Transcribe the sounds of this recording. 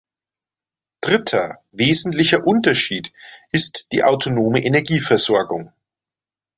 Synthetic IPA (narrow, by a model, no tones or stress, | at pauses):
d̥ʁɪtʰɐ | veːzn̩tlɪçɐʔʊntɐʃiːtʔɪstd̥ḭːʔaʊtʰonoːməʔenɛɐɡiːfɛɐz̥ɔɐɡʊŋ